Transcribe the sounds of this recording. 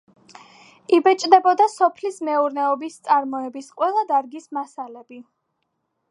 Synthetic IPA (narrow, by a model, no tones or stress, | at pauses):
ibɛt͡ʃʼd̪ɛbɔd̪asɔpʰlismɛuɾnɛɔbist̪sʼaɾmɔɛbisqʼwɛlˠad̪aɾɡismasalɛbi